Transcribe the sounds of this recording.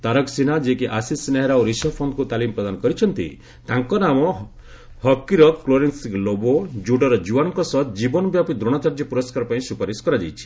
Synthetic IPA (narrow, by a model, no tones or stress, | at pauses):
t̪aɾɔksinad͡ʒekiʔasisneɦeɾaoɾisɔpʰonkut̪alimpɾɔd̪anɔkɔɾit͡ʃʰɔnt̪ḭ | t̪aŋkɔnamɔ | hɔkːiɾɔkkloɾensklobod͡ʒuɽɔɾɔd͡ʒuwanɔŋkɔsɔt̪d͡ʒibɔnɔbjapid̪ɾɔɽ̃ɔt͡ʃaɾd͡ʒɔpuɾɔskaɾɔpaĩsupaɾiskɔɾad͡ʒa̰jt͡ʃʰi̥